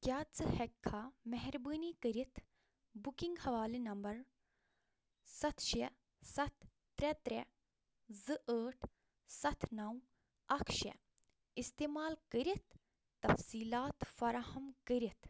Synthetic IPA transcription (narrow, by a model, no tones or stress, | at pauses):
kʲjaːt͡sɨhɛkʰːaːmɛɦɛɾbəːnikəɾit̪ʰ | bukiŋɡhɐʋaːlinɐmbɐɾ | sɐt̪ʰʃe | sɐt̪ʰː | ɾɛt̪ɾɛ | zɨʔəːʈʰ | sɐt̪ʰnɐw | ɐkʃḛ | ist̪eːmaːlkəɾit̪̚ː | ɐfsiːlaːt̪fɐɾahɐmkəɾit̪ʰ